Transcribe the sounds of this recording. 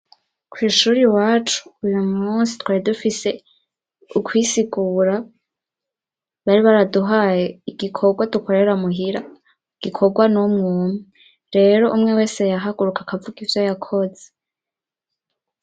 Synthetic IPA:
kwiːʃuɾiwaːt͡ʃu̥ːjumuːnsi̥twaːɾidufise̞ | ukʰwisiɡuːɾa | βaɾiβaɾaduɦajeiɡ̥ikʰo̞ɡwaduko̞ɾe̞ɾamuɦiɾa | iɡ̥ikʰo̞ɡwanumŋuːmi | ɾe̞ɾo̞ʔumŋe̞we̞ːse̞jaɦaɡuɾukakavuɡivjojakʰoze

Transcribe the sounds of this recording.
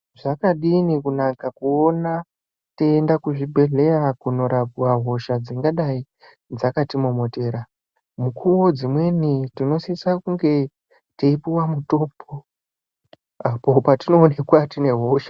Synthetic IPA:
ʐakaɗinikunakakuona | teːndakuʐibʱe̞ɮe̞rakuno̞ɾapuwaɦo̞ʃad͡ziŋɡaɗai | d͡zakatimomo̞te̞ːɾa | mukuwo̞d͡zimwe̞nitino̞sisakuŋɡe̞ | teipiwamuto̞ːpʰo | apo̞patino̞ːne̞kwatine̞ɦo̞ʃḁ

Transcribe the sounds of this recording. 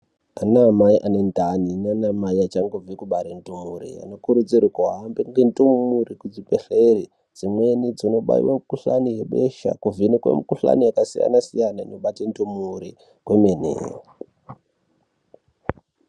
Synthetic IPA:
anaːmaiʔanentaninanamaiat͡ʃaŋɡovikuɓaɾentomuɾḭa̰nokuɾud͡zirikuɦambeŋɡentummuɾikud͡zipeɬeri | d͡zimwe̞nid͡zino̞ɓa̰ḭwemukuɬanijeɓeʃa̰kuvinikwḛmukuɬa̰nijakasija̰nasijanaino̞ɓatentomuɾi | kwemenḛːj̰

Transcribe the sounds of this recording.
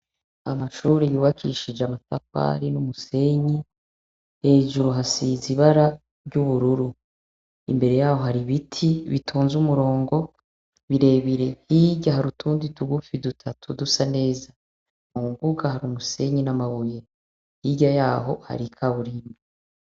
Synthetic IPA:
a̰maʃuɾijuːβakʰiʃid͡ʒeamatafa̰ɾinumuse̞ɲi | he̞ːʒuɾuɦasiziβaɾa | ɾɟuβuɾuɾu | ḭmbe̞ɾe̞jaːho̞ɦaɾiβitʰiβitʰuːnzumuɾo̞ːŋɡo̞ | βiɾe̞βiɾe̞hiɟaɦaɾutuːndituɡufidutʰatʰudusane̞ːza | muuŋɡuɡahaɾumuse̞ɲinamaβuje̞ | hiɟajaːɦo̞̰ha̰ɾikʰaβuɾiːmi

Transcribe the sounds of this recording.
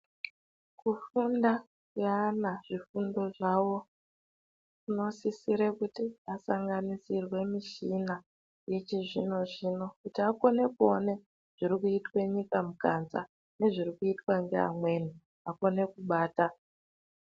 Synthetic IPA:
kufunda | kuanaʐ̥ifundo̞ʐawo̞ | uno̞sisiɾekutiasaŋɡanisirwe̞miʃina | je̞t͡ʃiʐino̞ʐino̞kutiako̞ne̞kuone̞ | ʐ̥iɾikuitwe̞ɲikamukanza̰ | ne̞ʐiɾikuitwaŋɡea̰mwe̞ni | ako̞ne̞kuɓaːta

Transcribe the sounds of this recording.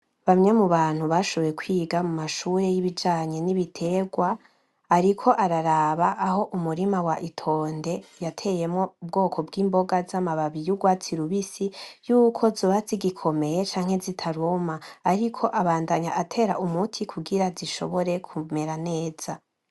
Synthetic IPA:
βamɲe̞muβaːn̥huβaʃoβekwiːɡamumaʃuːɾe̞jiβid͡ʒaːɲe̞niβitʰe̞ɡwaː | ɾikʰo̞ʔaɾaɾaβaʔːho̞ʔumuɾimawaʔitʰo̞ːnde̞jatʰe̞je̞mŋo̞ub̚ɡo̞ːkʰo̞bɡiːmbo̞ɡazamaβaβijuɡwaːt͡siɾuβisijuːkʰo̞zoβaziɡikʰo̞me̞je̞t͡ʃaːŋ̥he̞zitʰaɾumaːɾikʰo̞ʔaβaːndaɲaʔatʰe̞ːɾaumutʰikʰuɡiɾaziʃo̞̰βo̞ɾe̞kʰume̞ɾane̞ːz̥a

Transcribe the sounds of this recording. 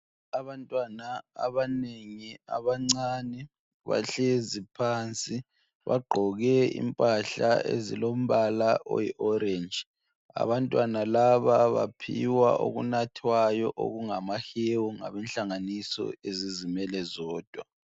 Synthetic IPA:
aβantʼwana̰ːβaneŋia̰βaŋ͡ǀanɛ | βa̰ɬezipʰant͡sʼi | βa̰ɡ͡ǃʱɔɣɛḭmpʼaɬaḛzḭlom̩βalaʔɔ̰jiʔɔɾend͡ʒ | a̰βantʼwanalaβaβapʰḭwa̰ʔo̰ɣṵnatʰwajɔʔo̰ɣuŋamahewɔŋa̰βɛnɬaŋanisɔ̰ezizimɛlɛzɔːd̥ʱwa

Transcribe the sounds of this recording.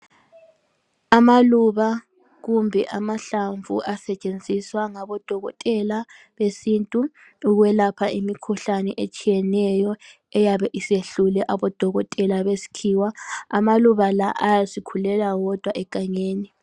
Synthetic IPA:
amaluβa | ɣumbʱɛ̰ʔamaɬaɱvṵʔasɛt͡ʃʼend͡zʱiswaŋaβɔd̥ʱɔɣɔ̰tʼɛla | βesintʼuː | ɣwɛlapʰaʔimikʰuɬanɛʔet͡ʃʼijɛnɛjɔ | ɛjaβɛʔiseɬulɛʔaβɔd̥ʱɔɣɔtʼɛlaβesi̥kʰiːwaa̰maluβalaʔajasikʰulɛlaɣɔd̥ʱwaʔɛkʼaɲeːni

